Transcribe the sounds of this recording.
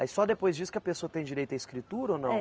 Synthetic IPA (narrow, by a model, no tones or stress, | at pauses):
majsɔd̪epojzd͡ʒiskɪɐpesoɐt̪ẽj̃d͡ʒiɾejt̪ʊɐiskɾit̪uɾɐonɐ̃w̃